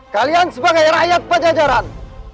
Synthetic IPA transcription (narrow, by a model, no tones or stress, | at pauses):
kaliansəbaɡajɾajat̪̚pəd͡ʒad͡ʒaɾan